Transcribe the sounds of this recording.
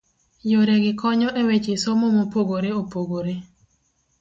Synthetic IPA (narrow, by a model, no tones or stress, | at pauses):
joɾeɡɪkʰɔɲɔʔewet͡ʃesomomopoɡoɾeopoɡoɾe